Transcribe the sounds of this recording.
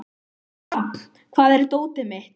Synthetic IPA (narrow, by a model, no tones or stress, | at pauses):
ḁ | kʰvaːðɛɾt̪oːwt̪ɪmeht̪